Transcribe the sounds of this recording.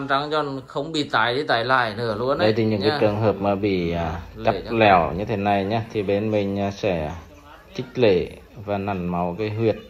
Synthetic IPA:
mt͡ɕa˨˦ŋt͡ɕɔ˧˩nxə˧wŋ͡mɓḭ˧˨˩t̪aː˨˩jɗi˧˦t̪aː˧˩jla̰ː˧˩jnɨ˧˩əlu˧ənɗə˧˦jt̪i˨˧˩ɲɨ̰˧˨ŋkːa˨˧˦t͡ɕɨ˨˩əŋɦəː˨˩p̚maː˨˩ɓḭ˧˨aː˨˩t͡ɕa˦˧p̚lɛ˧˩wɲɨ˧t̪ʰe˨˦na˨˩jɲaː˨˦t̪ʰi˨˩ɓe˨˦nmï˨ŋ̟ː˨˩sɛ̰˧˩ | t͡ɕï˦˥k̚le˧˩ | vaː˨˩na˨˩nma˨˦wkaː˨˦jɦwi˨˩ət̚

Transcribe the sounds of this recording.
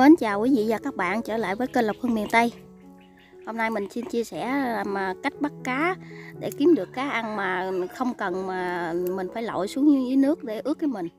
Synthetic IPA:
ə˨˦nt͡ɕaː˨˩wki˨˦vḭ˧˨zaː˨˩kaː˦˥k̚ɓa̰ː˧˨nt͡ɕəː˧˩la̰ː˧˨jvəː˨˦jkəː˧lə˨˩p̚hə˧mḭ˨˩ənt̪ə˧j | ho˧mna˧jmï˨˩ŋ̟si˧nt͡ɕi˧əsɛ˧˩˨maː˨˩ka˦˥jk̟̚ɓa˦˥t̚kaː˨˦ɗḛ˧˩ki˨˦əmɗɨ˨˩əkːaː˨˦ʔa˧nmaː˨˩xə˧wŋ͡mkə˨˩nmaː˨˩mï˨˩ŋ̟faː˧˩jlo̰˧˨jsu˨˦əŋ˧ʔi˨˦nɨ˦˥ək̚ɗe˧˩ʔɨ˦˥ək̚ːaː˨˦jmï˨˩ŋ̟

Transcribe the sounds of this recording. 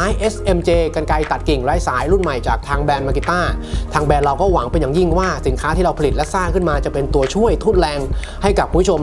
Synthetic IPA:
aː˦˥jʔe˦˥sʔe˧mt͡ɕeː˧ka˧nka˧jt̪a˨˩t̪̚ki˨˩ŋɾaː˦˥jsaː˩˦jɾu˥˩nma˨˩jt͡ɕaː˨˩k̚t̪ʰaː˧ŋbɛː˧nma˧ki˧t̪ːaː˥˩t̪ʰaː˧ŋbɛː˧nɾa˧wkɔː˥˩wa˩˦ŋpe˧nja˨˩ŋji˥˩ŋwaː˥˩si˩˦nkʰaː˦˥t̪ʰiː˥˩ɾa˧pʰli˨˩t̪̚lɛ˦˥saː˥˩ŋkʰɯ˥˩nmaː˧t͡ɕa˨˩pe˧nt̪u˧ɐt͡ɕʰu˥˩əjt̪ʰuː˥˩t̪̚lɛː˧ŋ | ha˥˩jka˨˩p̚ʰːu˧pʰːu˥˩o˧m

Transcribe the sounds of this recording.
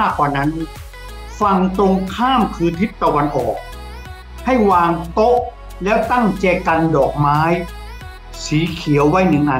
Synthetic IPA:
a˥˩kwaː˨˩na˦˥n | fa˧ŋt̪o˧ŋkʰaː˥˩mkʰɯː˧nt̪ʰi˦˥t̪ːa˧wa˧nʔɔː˨˩k̚ | ha˥˩jwaː˧ŋt̪o˦˥ʔ | lɛ˦˥˩wt̪a˥˩ŋt͡ɕɛː˧˩ka˧ndɔː˨˩k̚maː˦˥j | siː˨˦kʰi˨˩˦əwːa˦˥jnɯ˨˩ŋʔa˧˩

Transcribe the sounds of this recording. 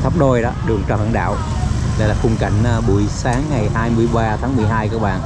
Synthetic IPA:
t̪ʰə˦˥p̚ɗo˧jɗɔ̰ː˨˦ɗɨ˨˩əŋt͡ɕɔ˧˩hə̰˧˩˦nɗa̰ː˧˨w | la̰˧˥jlaː˨˩fʊ˧ŋ͡mka̰˧˩jŋ̟ʔa˧ɓṵ˧˨əjsaː˨˦ŋːa˨˩jhaː˧jmɨ˧əjɓaː˧t̪ʰaː˨˦ŋmɨ˨˩əjɦaː˧jkaː˨˦˥k̚ɓa̰ː˧˨n

